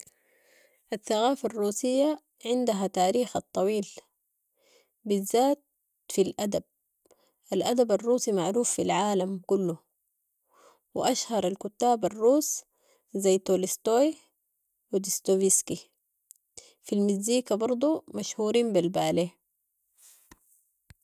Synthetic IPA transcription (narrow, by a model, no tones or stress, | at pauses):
ʔaθːaɣaːfarˤːuːsijːa | ʕɪnd̪aɦat̪aːɾiːxɑt̪ˤːɑwiːl | bizːaːt̪̚ | filʔad̪ab̚ | ʔalʔad̪abarːuːsimaʕɾuːfːilʕaːlamkulːu | wɪ̰ʔaʃhɑɾˤalkut̪ːaːbarːuːs | zajːt̪oːlist̪oːj | wid̪ist̪oviski | filmɪziːkabɑɾˤd̪ˤumaʃhuːɾiːmbilbaːleː